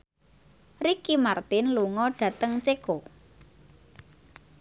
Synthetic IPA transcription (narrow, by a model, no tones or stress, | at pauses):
rikimart̪ɪnluŋɔɖ̥ä̤t̪əŋt͡ʃeko